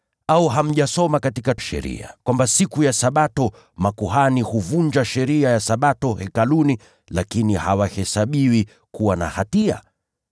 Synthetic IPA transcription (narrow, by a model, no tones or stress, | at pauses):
auɦam̩ʄasɔmakatikaʃɛ̰ɾḭa̰kwambasikujasaɓatɔ | makuhanihuvund͡ʒaʃɛɾiajasaɓatɔhɛkaluni | lakinihawahɛsaɓiwi | kuwana̰hatia̰